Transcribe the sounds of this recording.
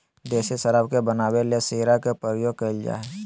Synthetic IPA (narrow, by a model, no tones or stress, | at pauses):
d̪eːʃisəɾəbkebənaːwelesiːɾakepəɾjoːɡ̚keld͡ʒa̰ːe